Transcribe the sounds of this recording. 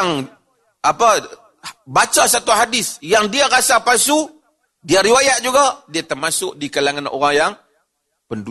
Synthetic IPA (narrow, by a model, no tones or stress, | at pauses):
ŋ | apa | bat͡ʃasat̪uɦadɪsjaŋdiaɾasapasu | diaɾiwajat̪̚d͡ʒuɡadiat̪ərmasʊk̚dikalaŋano̰ɾaŋjaŋ | pəndu